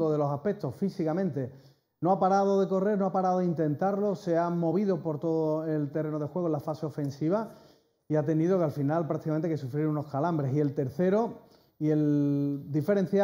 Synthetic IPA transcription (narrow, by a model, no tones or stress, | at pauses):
oðe̞lo̞sahpe̞k̚t̪o̞hfisikamẽnt̪e̞ | noapaɾaðoðe̞ko̞re̞ɾnoapaɾaðoðeint̪ẽ̞nt̪aɾlo̞se̞amo̞β̞iðo̞po̞ɾt̪o̞ðoelt̪ere̞noð̞exwe̞ɣolafaseofẽ̞nsiβ̞a | iat̪e̞niðo̞kealfinalpɾak̚t̪ikament̪ekesufɾiɾuno̞hkalambɾesie̞lt̪e̞ɾθe̞ɾo̞ | ie̞ld̪ife̞ɾe̞n̟θja